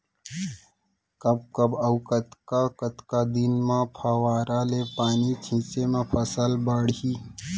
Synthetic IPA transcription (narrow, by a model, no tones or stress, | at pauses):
kəb̚kəbɐʊkət̪kakət̪kad̪inmãpʰəwaːɾalepaːnit͡ʃʰĩːt͡ʃemẽpʰəsəlbəɽɦi